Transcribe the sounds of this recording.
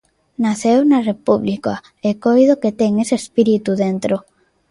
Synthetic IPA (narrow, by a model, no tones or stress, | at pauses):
naθewnarepuβlika | ekojðoket̪eŋeseespiɾit̪uðent̪ɾo